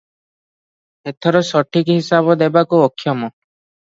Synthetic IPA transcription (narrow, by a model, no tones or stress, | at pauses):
et̪ʰɔɾɔsɔʈʰikɦisabɔd̪ebakuɔkʰːjɔmɔ